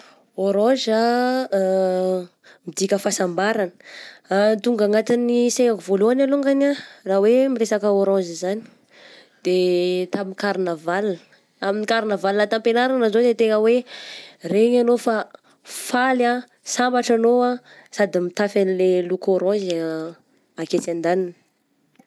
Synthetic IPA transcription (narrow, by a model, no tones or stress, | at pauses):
oɾɔ̃za | mid̪ikʲəfasambaɾanə̥ | nt̪uŋɡaŋat̪iniseŋakuvoluanaloŋɡanarawemiresakəoɾɔ̃zizani̥ | d̪̥et̪amikaɾnavalə̥ | aminikaɾinəvalnət̪ampenaɾanazod̪et̪eŋəwe | reɲanofa | fala | sambaʈ͡ʂanoa | sad̪imit̪afanilelukoɾɔ̃z | aket͡sand̪anini̥